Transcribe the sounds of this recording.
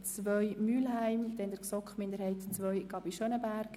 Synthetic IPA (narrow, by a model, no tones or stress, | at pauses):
t͡sʋœjmyːlɦæɪmd̥ɛnd̥əksɔkχmɪnd̪əɾhɛɪtt͡sʋœʏɡ̥ɑbiʃœnəbæɾk